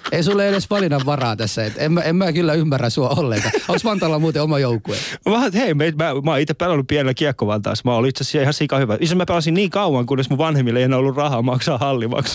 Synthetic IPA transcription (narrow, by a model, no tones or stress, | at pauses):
eisulːeedesʋɑlinɑʋʋɑrɑːt̪æsːæet̪emmæemmæːkylːæymːærːæsuɑolːeŋkɑosmɑnt̪ɑlːɑmuːt̪eomɑjoukːuḛɑmɑhɑt̪heimæimæːmɑːˑit̪ːepælːænːuppiænelːækiɑkːoʋɑnt̪ɑ̰ˑsmɑːˑolit̪sessiihɑsikɑhyʋæitsæsmæpelɑsinniːŋkɑuwɑŋkunːesmuʋʋɑnhemːileienæːolːurrɑhɑːmɑksɑːhɑlːimɑ̰ks